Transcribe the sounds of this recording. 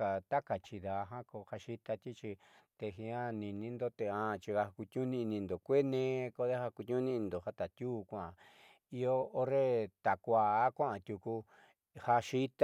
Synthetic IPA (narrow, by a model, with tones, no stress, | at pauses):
a˨t̪a˦ka˨t͡ʃi˧ða˧ɦã˦ko˧ha˧ʃi˦t̪a˧t̪i˦t͡ʃi˧ | t̪e˧ɦĩ˧ã˦nĩ˧nĩ˧nd̪o˦t̪e˧ã˧t͡ʃi˧ha˧ku˧t̪ʲɲũ˦nĩ˧nĩ˧nd̪o˨kʷe˦nẽ˧ko˧ðe˦ha˧ku˧t̪ʲɲũ˦nĩ˦˧ĩ˧d̪o˨ha˦t̪a˨t̪ʲuː˦kʷã˨a˨ | i˧oː˦˧ɾe˦t̪a˨kʷaː˧˨˦kʷã˦ã˨˧t̪ʲju˧ku˧ | ha˧ʃi˦t̪